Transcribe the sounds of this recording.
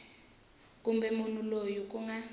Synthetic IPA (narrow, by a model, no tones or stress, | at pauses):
k̬ʼumbɛmunulojuk̬ʼuŋa